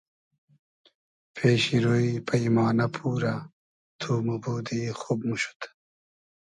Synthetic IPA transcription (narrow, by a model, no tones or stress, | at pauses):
pʰeːɕiɾoːipɐimaːnɐpʰuːɾa | t̪ʰuːmubuːd̪iːxob̚muɕu̥t̪